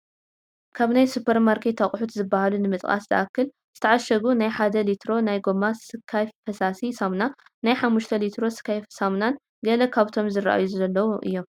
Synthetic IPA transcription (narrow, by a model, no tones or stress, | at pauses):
kʰaβnajsupʰɐɾmaɾkʰet̪ʰːaχʼħut̪zɨbːahalunɨmɨt̪ʼkʼa̰szɨ̰ʔakːɨl | z̥ɨt̪ʰɐʕaʃɐɡunajħad̪ɐlit̪ʰɾo̞najɡo̞masɨkʰːajfɐsasisamna | najħamːuʃt̪ʰɐlit̪ʰɾo̞sɨ̥kʰːajfsamnan | ɡɐlɐkʰaβt̪ʰo̞mzɨɾa̰ʔa̰juzɐlːɐwuʔɨ̰jːo̞m